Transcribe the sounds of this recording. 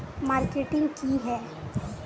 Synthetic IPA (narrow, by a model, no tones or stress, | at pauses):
maːɾkeːʈɪ̃ŋɡkiɦɛː